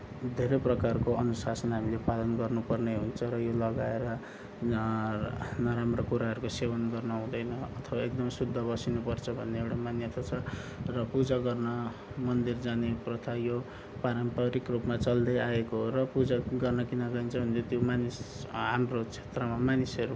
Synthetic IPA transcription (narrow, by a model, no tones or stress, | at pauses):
d̪ʱeɾʌprʌkarkoʌnusasʌnɦamilepalʌnɡʌrnupʌrneɦunt͡sʰʌɾʌjolʌɡaeɾʌ | nʌɾamrʌkuɾaɦʌɾukosewʌnɡʌrnʌũd̪ʌjnʌʌt̪ʰʌbaek̚d̪ʌmsud̪ʱːʌbʌsinupʌrt͡sʰʌbʱʌnːeewɽamanjʌt̪ʰat͡sʰʌrʌpud͡zaɡʌrnʌ | mʌnd̪ird͡zaneprʌt̪ʰʌjo | paɾʌmpʌɾikrupmat͡sʌld̪ʌjaekorʌpud͡zaɡʌrnʌkinʌɡʌint͡sʰʌbʱunt͡sot̪jomanisɦamrot͡sʰe̥t̪rʌmamanisʌɾu